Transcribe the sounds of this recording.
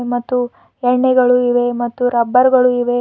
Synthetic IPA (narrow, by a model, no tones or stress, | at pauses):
mɐt̪ːu | ɛɳːɛɡɐɭuiʋemɐt̪ːuɾɐbːɐɾɡɐɭuiʋe